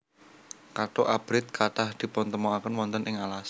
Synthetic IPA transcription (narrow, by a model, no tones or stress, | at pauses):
kaʈoʔab̥ɾɪt̪̚kʰaʈahd̪̥i̤pɔnt̪əmoakənwɔnt̪ənʔɪŋalas